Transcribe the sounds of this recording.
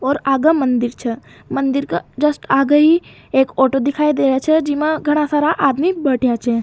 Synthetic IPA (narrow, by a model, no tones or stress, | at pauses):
ɔːɾaːɡamə̃nd̪ɪɾt͡ʃʰɛ | mɐ̃nd̪ɪɾkad͡ʒɐsʈaːɡəi | eːkɔːʈod̪ɪkʰaːid̪eːɾjat͡ʃʰɛd͡ʒɪmãɡʱɐɽ̃asaːɾaʔaːd̪mibəʈʰjat͡ʃʰɛː